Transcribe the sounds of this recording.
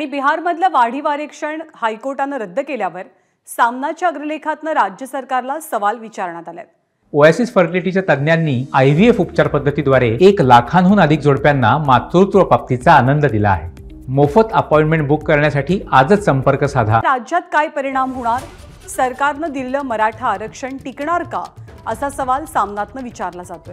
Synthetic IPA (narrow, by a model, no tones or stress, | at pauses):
aɽ̃ibiɦaɾməd̪ʱljaʋaɽ̤iːʋaɾekʂəɳhajkoɾʈanːəɾəd̪ʱːəkeljaʋəɾ | samnat͡ɕjaəɡɾəlekʰat̪nəɾad͡ʑjəsəɾkaɾlasəʋalʋit͡ɕaɾɳ̃at̪alja̰t̪̚ | oasisfəɾʈiliʈit͡ɕjat̪əd̪njanːiːajʋiefupt͡ɕaɾpəd̪ʱːət̪id̪ʋaɾeeklakʰanɦuːnəd̪ʱik̚d͡zoɽpjanːamat̪ɾut̪ʋəpap̚t̪it͡saːnənd̪əd̪ila̰ːɦe | mofət̪əpɔjiɳʈmeɳʈ̚bukːəɾɳjasaʈiːʔad͡zəsəmpəɾkəsad̪ʱaɾad͡ʑjat̪kajpəɾiɽ̃amɦoɽ̃aɾ | səɾkaɾnəd̪ileləːməɾaʈʰaːɾəkʂəɳʈikɳaɾka̰ | əsasəʋalsamnat̪nəʋit͡ɕaɾlad͡zat̪o